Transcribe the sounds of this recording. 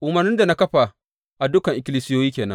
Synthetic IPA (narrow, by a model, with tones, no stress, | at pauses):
ʔʊ˨mɐ˨rnɪ˦nda˨na˦kɐ˦ɸa˨ | ʔa˨dʊ˦kɐ˨ŋʔɪ˨kʲɪ˦liː˦sɪ˦joː˦jiː˦kʲeː˨nɐ̰̃˦